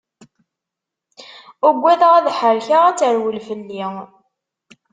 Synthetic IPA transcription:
ʊɡʷːæðʁæðħəɾçaʁæt͡sːəɾwəlfəlːi

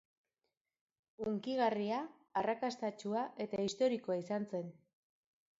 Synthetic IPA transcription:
uŋkiɣariaː | rakast̪at͡ʃuaʔe̞t̪aist̪oɾiko̞aisanse̞n

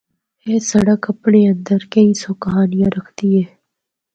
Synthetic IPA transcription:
eːsɐɽəkɐpɳeːə̃nd̪əɾkɐĩːsoːkɦaːnɪjãɾɐkʰt̪iɦɛː

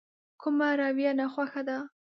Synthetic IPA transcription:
kʰʊmaɾɑwjanaxwaxad̪a

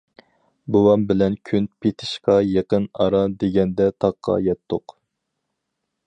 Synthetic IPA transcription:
bowɑmbɪlɛnkʲʰynpʰet̪ʰɪ̥ʃqɑjeqənɑ̰ɾɑd̪eɡʲɛnd̪ɛt̪ʰɑqʰːɑ̰jɛt̪ʰːoq

